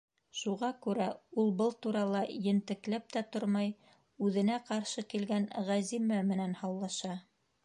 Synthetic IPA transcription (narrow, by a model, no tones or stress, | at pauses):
ʃuʁɑkʉɾæulˠbɤlˠt̪uɾɑlˠɑjɘ̆nt̪ɘ̆klæp̚t̪æt̪oɾmɑj | ʉðɘ̆næqɑɾʃɤkilɡænʁæzimæmɘ̆nænhɑwlˠɑʃɑ